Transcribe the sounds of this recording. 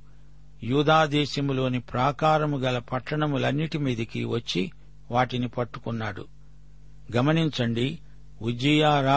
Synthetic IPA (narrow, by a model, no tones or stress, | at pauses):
juːd̪aːd̪ɛːʃɐmulo̞ːnipɾaːkaːɾɐmuɡɐlɐpɐʈːɐɳɐmulɐnːiʈimiːd̪ɐkiʋɐt͡ʃːi | ʋaːʈinipɐʈːukunːaːɽṵ | ɡɐmɐniɲt͡ʃɐɳɖi | ʔud͡ʒijaːɾaː